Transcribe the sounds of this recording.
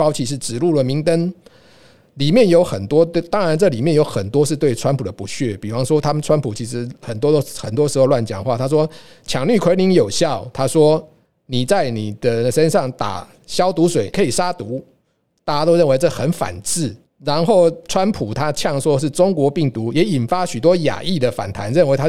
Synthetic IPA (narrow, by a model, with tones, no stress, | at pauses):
ɑ˥ʊt͡ɕʰi˧˥ʂ̬ɻ̩˥˩ʈ͡ʂɻ̩˨˩lu˥˩lə˩mi˨˥ŋt̪ə˦n | li˨˩mjɛ˥˨njo˧˥ʊxə˨˩nt̪wɔ˦˥t̪t̪ɑ˥ŋɻa˧˦nʈ͡ʂɤ˥˩li˨˩mjɛ˥˨njo˧˥ʊxə˨˩nt̪wɔ˥ʂ̬ɻ̩˥˧t̪we˥˩ɪʈ͡ʂʰwa˥npʰu˨d̪ə˨pu˧˦t͡ɕʰɥɛ˥˨pi˨˩fɑ˥ŋʂwɔ˥t̪ʰa˥mə˨nʈ͡ʂʰwa˥npʰu˨˩t͡ɕʰi˧˥ʂ̬ɻ̩˧˦xə˨˩nt̪wɔ˥t̪o˥ʊxə˨˩nt̪wɔ˥ʂɻ̩˧˥xo˥˧ʊlwa˥˩nt͡ɕjɑ˨˩ŋ˧xwa˥˨˩t̪ʰa˥ʂ̬wɔ˥ | t͡ɕʰjɑ˨˩ŋly˥˩kʰe˧˥ɪli˧˥ŋjo˨˩ʊɕjɑ˥˨ʊt̪ʰa˥ʂwɔ˥ | ni˨˩t͡sa˥˩ɪni˨˩d̪ə˦ʂə˥˦nʂɑ˥˩ŋt̪a̰˨˩ | ɕjɑ˥ʊt̪u˧˥swe˨˩ɪkʰɤ˧˥i˨˩ʂa˥t̪u˧˦˥ | t̪a˥˩t͡ɕa˥t̪o˥ʊɻə˥˩nwe˧˥ɪʈ͡ʂɤ˥˩xə˨˦nfa̰˨˩nt͡sɹ̩˥˩ | ɻa˧˥nxo˥˩ʊʈ͡ʂʰwa˦˥npʰu˨˩t̪ʰa˥t͡ɕʰjɑ˥˩ŋʂwɔ˥ʂɻ̩˥˩ʈ͡ʂo˥ŋkwɔ˧˥pi˥˩ŋt̪u˨˧˥jɛ˨˥i˨˩nfa˥ɕy˨˩t̪wɔ˥ja̰˨˩ʔi˥˨d̪ə˩fa̰˨˩nt̪ʰa˧˥nɻə˥˩nwe˧˥t̪ʰa˥